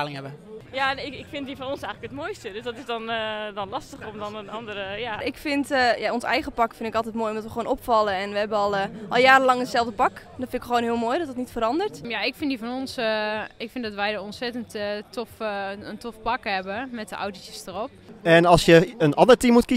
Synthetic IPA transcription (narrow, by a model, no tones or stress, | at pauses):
aːlɪŋɛbəjaɪɪkfɪndifɔnonsɛjŋləkətmoːjstədøsdɔtɪsdɔndɔnlɑstəxəromdɔnənɑndərəjaɪkfɪntjaonsɛ̰jɣəpɑkfɪndɪkɑlˠt̬ɛtmoːjomdɔtʋəxʋoːnopfɑlˠəɛnʋəɦɛbəɔlˠʔɔlˠjaːɾəlɑŋətsɛlˠvdəpɑkdɔnfɪnɪkxʋoːnɦiəlˠmoːjdɔtdətnitfəɾɑndərtjaɪkfɪndifɔnonsɪkfɪndɔtʋɛjdɔonsɛtənttʰofəntofpɑkhɛbəmɛtdəʔa̰wtəjəstərop̚ɛnɑlˠsjəənɑndərtimutki